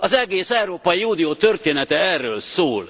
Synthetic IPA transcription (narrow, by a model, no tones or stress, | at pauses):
ɒzɛɡeːsɛwɾoːpɒiuːd̪iot̪ørt̪eːnɛt̪ɛɛrːøːlsoːl